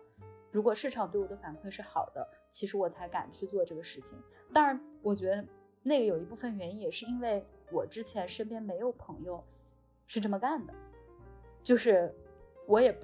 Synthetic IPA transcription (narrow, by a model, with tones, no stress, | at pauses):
ɻu˧˥kwɔ˨˩ʂɻ̩˥˩ʈ͡ʂʰɑ˨˩ŋt̪wɪwɔ˨˩d̪ə˦fa˨˩nkʰwe˥˧ɪʂɻ̩˥˩xɑ˨˩ʊd̪ə̰˦t͡ɕʰi˧˥ʂɻ̩˧˥wɔ˨˩t͡sʰa˧˥ɪka̰˨˩nt͡ɕʰy˥˧t͡swɔ˥˧ʈ͡ʂɤ˥˩ɡə˩ʂɻ̩˥˩t͡ɕʰḭ˨˩ŋ | t̪a˥nɻa˧˥nwɔ˨˩t͡ɕɥɛ˧˥ə˧ | na˥˩ɡə˩jo˨˩ʊi˧˥pu˥˩fə˩nɥɛ˧˥ni˥jɛ˨˩ʂɻ̩˥˩i˥nwe˥˩ɪwɔ˨˩ʈ͡ʂɻ̩˥t͡ɕʰjɛ˧˥nʂə˥npjɛ˥nme˧˥ɪjo˨˩ʊpʰɤ˧˥ŋjo˧ʊ | ʂɻ̩˥˧ʈ͡ʂɤ˥˩mə˩ka˥˩nd̪ə˩ | t͡ɕjo˥˧ʊʂɻ̩˥˩wɔ˧˥jɛ˨˩